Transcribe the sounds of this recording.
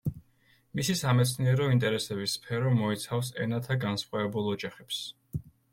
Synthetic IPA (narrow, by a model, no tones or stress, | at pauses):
misisamɛt̪sʰniɛɾɔint̪ʼɛɾɛsɛbisːpʰɛɾɔmɔɛt̪sʰafsɛ̰nat̪ʰaɡansχʼwɛɛbulˠɔd͡ʒaχɛps